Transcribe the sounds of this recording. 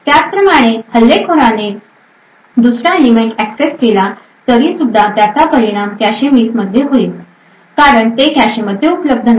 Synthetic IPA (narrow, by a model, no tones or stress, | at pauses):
t̪jat͡spɾəmaɽ̃ehəlːekʰoɾane | d̪usɾalimeʈækseskela | t̪əɾiːsud̪ʱːat̪jat͡sapəɾiɽ̃amkjaɕemiːsməd̪ʱːjeɦoiːl | kaɾəɳt̪ekjaɕeməd̪ʱːjeupləb̚d̪ʱən